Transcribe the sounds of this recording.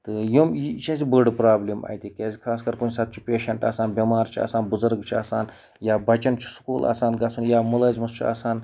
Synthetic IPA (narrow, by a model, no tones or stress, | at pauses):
t̪ɨjumjit͡ʃʰɐzibəɖpɾaːblʲima̰ːjt̪ʲikʲaːzʲikʰaːskɐɾkunsɐt̪̚t͡ʃʰi̥pʲeːʃɐɳʈa̰ːsaːnbʲɐmaːɾt͡ʃʰia̰ːsaːnbʊzɐɾɡt͡ʃʰia̰ːsaːn | jaːbɐt͡ʃɐnt͡ʃʰi̥su̥kuːlʔa̰ːsaːnɡɐsunjaːmuləːzʲmɐst͡ʃʰia̰ːsaːn